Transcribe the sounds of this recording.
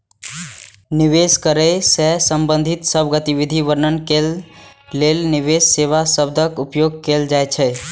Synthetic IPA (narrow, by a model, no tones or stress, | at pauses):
niʋeskəɾəsɛsəmbə̃nd̪ʱit̪səbɡət̪iʋid̪ʱiʋəɾnənkelː | elniʋesːeʋasəb̚d̪ʱəkupjoɡ̚keld͡ʒajt͡ʃʰɛ